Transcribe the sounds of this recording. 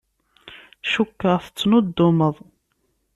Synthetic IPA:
ʃukːəʁθə̥t͡sːnʊd̪ːʊməðˤ

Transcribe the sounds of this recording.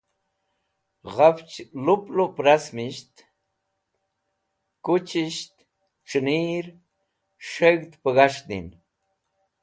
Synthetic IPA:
ʁaft͡ʃluplopɾasmiʃt̪ | kut͡ʃiʃt̪ | ʈ͡ʂɨniːɾ | ʂəɣt̪pəɣaʂnḭn

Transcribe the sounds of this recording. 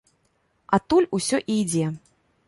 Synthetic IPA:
at̪ulʲusʲɔʔijd͡zʲɛ

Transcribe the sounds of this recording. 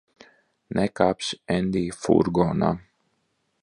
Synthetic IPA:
nɛkaːpsɛnd̪iːfṵɾɡɔːna̰

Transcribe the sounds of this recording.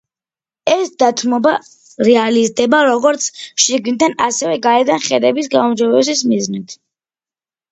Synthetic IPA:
ɛsd̪at̪ʰmɔba | ɾɛalizd̪ɛbaɾɔɡɔɾt̪sʰʃiɡnt̪ʰanasɛvɛɡaɛd̪anχɛd̪ɛbisɡaumd͡ʒɔbɛs̬ismiznit̪ʰ

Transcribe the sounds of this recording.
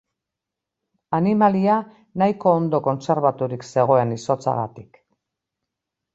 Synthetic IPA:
animalia | najiko̞ːnd̪o̞ko̞nse̞ɾβat̪uɾikse̞ɣ̞o̞e̞niso̞t͡sa̰ɣa̰t̪i̥k

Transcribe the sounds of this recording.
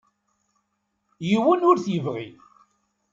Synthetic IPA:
jiwənʊɾθjəvʁḭθ

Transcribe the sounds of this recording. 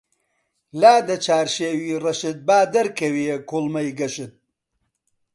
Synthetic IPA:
laːd̪ɐt͡ʃʰaːɾʃeːwiːrɐʃɨt̪̚baːd̪ɐɾkʰɐwijekulˠmɐjɡɐʃɨt̪̚

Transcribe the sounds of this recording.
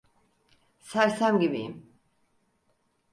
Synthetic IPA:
saɾsamɡibim

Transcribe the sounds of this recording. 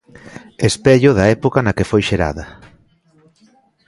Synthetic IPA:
espeʎʊðɐɛpokɐnɐkefojʃeɾa̰ðɐ

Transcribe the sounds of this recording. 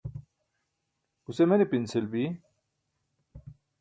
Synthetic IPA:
usemenepinselbi

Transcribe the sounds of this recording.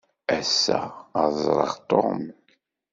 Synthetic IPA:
æsːæ̰əzˤɾˤə̰ʁt̪ˤːo̰m

